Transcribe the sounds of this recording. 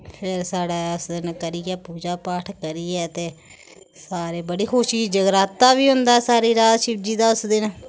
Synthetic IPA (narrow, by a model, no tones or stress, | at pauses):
pʰɪɾsaːɽaːʊsd̪ɪnkəɾiːɛːpuːd͡ʒaːpaːʈʰkəɾiːɛːt̪eː | saːɾeːbəɽiːkʰʊʃiːd͡ʒəɡɾaːt̪ːaːʋiːɦʊ̃nd̪aːsaːɾiːɾaːd͡ʒ̪ʃɪbd͡ʒiːd̪aːʊsd̪ɪn